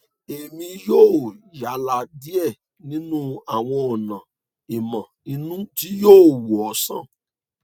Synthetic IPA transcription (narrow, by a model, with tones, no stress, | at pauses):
e˨mĩ˧joː˦˨ja˨˦la˧di˦ɛ˦˨ | nĩ˨˦nũ˦a˦˨w̃ɔ̃˧ɔ˨nã˨ | i˨mã˨i˧nũ˦ti˨˦joː˦˨wu˨ɔ˨˦sã̰˦˨